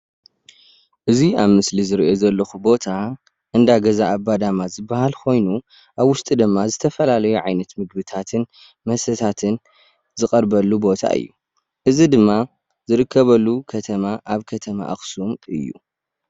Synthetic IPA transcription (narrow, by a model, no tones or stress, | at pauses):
ʔɨziaβmɨslizɨɾiʔo̞zɐlːɐxubo̞t̪ʰa | ʔɨnd̪aɡɐzaʔːbːad̪amazɨbːɐhalkʰo̞jnu | ʔaβwʊst̪ʼid̪ɨmːazɨt̪ʰɐfɐlalɐjuʕajnɐt̪mɨɡ̚bɨt̪ʰat̪ʰɨn | mɐsɐt̪ʰat̪ʰɨn | zɨkʼɐɾbɐlːubo̞t̪ʰa̰ʔɨ̰jːu | ʔɨzid̪ɨmːa | zɨɾɨkʰːɐβɐlːukʰɐt̪ʰɐmaʔaβkʰɐt̪ʰɐma̰ʔa̰xsumɨ̰jːṵ